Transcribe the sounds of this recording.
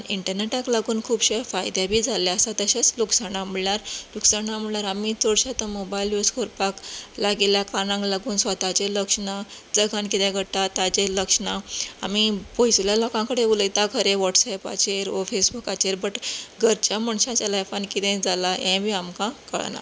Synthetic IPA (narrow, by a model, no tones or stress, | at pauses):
niɳʈəɾneʈaklaɡuːnkʰuːbɕefajd̪jabʱiːd͡zʱaleəsat̪əɕat͡sluksanamuɭnaɾluksaɳamuɭnaɾamit͡sɔɽɕat̪əmobajiljuskʰoɾpaklaɡiljakanãŋklaɡuːnsʋat̪at͡ɕeləkʂɳad͡zəɡʱãnkit̪ɛ̃ɡʱəɽt̪at̪at͡ɕeləkʂɳaa̰mipojsljalɔkãŋkəɽeuləjt̪akʰəɾeʋɔʈsajpa̰t͡ɕeɾɔfesbukat͡ɕeɾbəʈɡʱəɾt͡ɕaməɳɕãt͡ɕalajfankit̪ɛ̃d͡zʱalajɛ̃bʱiːamkãkə̰ɭna̰